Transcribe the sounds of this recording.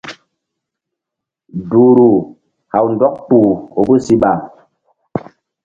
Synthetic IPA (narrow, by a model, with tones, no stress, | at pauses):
du˨ɾu˨ | ha˨wn̩˨dɔ˦k̚pu˨o˨bə˦si˦ɓa˨